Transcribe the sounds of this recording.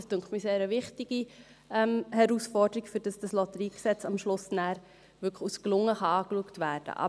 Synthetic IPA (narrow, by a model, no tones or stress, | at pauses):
støŋχtmiseːɾəvɪχtɪɡ̥i | ɛmhɛɾusfɔɾdəɾikfʏɾd̥ɑsd̥ɑslɔtəɾiːksɛt͡sɑmʃlʊsnæːɾ | ʋʏkχusklʊŋːəχɑɑːkluəktvæːɾd̥ə̰ʔɑ̰